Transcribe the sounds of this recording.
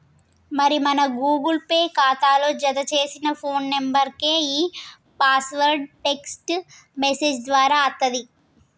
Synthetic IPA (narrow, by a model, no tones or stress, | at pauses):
mɐɾimɐnɐɡuːɡulpeːkaːt̪aːloːd͡ʒɐd̪ɐt͡ʃe̞ːsinɐpʰo̞ːnːembɐɾke̞ːiː | paːsʋɐɾɖʈeksʈ | mesed͡ʒd̪ʋaːɾaːɐt̪ːɐd̪i